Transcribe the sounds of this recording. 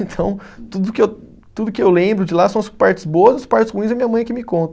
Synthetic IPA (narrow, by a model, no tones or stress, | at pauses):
ẽnt̪ʰɐ̃w̃t̪ud̪ʊkɪew | t̪ud̪ʊkɪewlẽbɾʊd͡ʒɪlasɐ̃ɐspaɾt͡ʃɪ̥zboɐzɐspaɾt͡ʃɪshuĩzɐmĩɲɐmɐ̃j̃ɐkimɪkõt̪ɐ